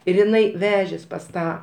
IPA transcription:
ɪr ɪˈnɐɪ ˈʋʲæːʒʲeːs pɐs ˈtɑː

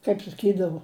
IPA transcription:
kɐɪp sɐˈkʲiːdɐʋoː

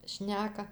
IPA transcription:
ˈʃʲnʲæːkɐ

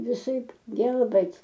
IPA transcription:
ʋʲɪˈsɐɪp ˈɡʲɛlˠbɘtʲ

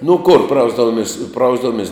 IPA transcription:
nʊ kʊr ˈprɐʊzdɐʋʊmʲɪs ˈprɐʊzdɐʋʊmʲiɛs

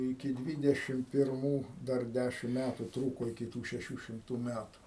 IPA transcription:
ɪkʲɪ ˈdʲʋʲiːdʲɛʃʲɪm pʲɪrˈmuː ˈdɐr ˈdʲæʃʲɪm ˈmʲætʊ ˈtruːkoː ɪkʲɪ ˈtuː ʃʲɛˈʃʲuː ʃʲɪmˈtuː ˈmʲætʊ

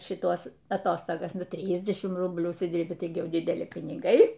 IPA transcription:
ʃʲɪˈtuɔs ɐˈtoːstoːɡɐs ˈnʊ ˈtʲrʲiːdʲɛʃʲɪmt ˈrʊbʲlʲuː ʊʃʲsʲɪˈdʲiːrʲbʲɪ ˈtɐɪɡʲɪ ˈjɛʊ dʲɪdʲɛˈlʲɪ pʲɪnʲɪˈɡɐɪ

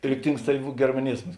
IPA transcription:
ˈrʲɪktʲɪŋks tɐɪ ɡʲɛrmɐˈnʲɪzmɐs

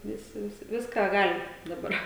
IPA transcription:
ˈʋʲɪsʲɪ ˈʋʲɪsʲɪ ˈʋʲɪskɑː ˈɡɑːlʲɪ dɐˈbɐr

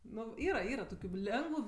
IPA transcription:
ˈnʊ ˈiːrɐ ˈiːrɐ ˈtoːkʲʊ ˈlʲɛŋɡʋʊ

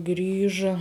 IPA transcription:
ˈɡrʲiːʒɐ

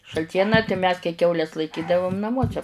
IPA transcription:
ʃɐlʲˈtʲiɛnɑː tɐɪ mʲɛs kɐɪ ˈkʲɛʊlʲɛs lˠɐɪˈkʲiːdɐʋʊm nɐˈmuɔsʲɛ

